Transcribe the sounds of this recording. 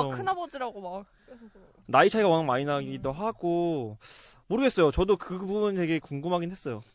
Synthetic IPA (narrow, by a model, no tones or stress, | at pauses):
kʰɯnɦabʌd͡ʑiɾaɡomak | e | nait͡ɕʰaiɡawʌnanmainaɡidoɦaɡ̥o | moɾɯɡe̞s͈ʌjot͡ɕʌdokɯbunte̞ɡe̞kuŋɡɯmɦaɡinɦwe̞s͈ʌjo